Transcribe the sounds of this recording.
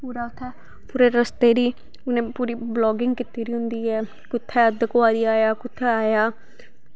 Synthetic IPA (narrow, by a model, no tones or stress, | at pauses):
puːɾaːʊt̪ʰːɛː | puːɾeːɾəst̪eːɾiː | ʊnẽːpuːɾiːblɔːɡɪŋɡkɪt̪ːiːɾiːɦʊ̃nd̪iːɛː | kʊt̪ʰːɛːəd̪əkʋaːɾiːaːjaːkʊt̪ʰːɛːaːjaː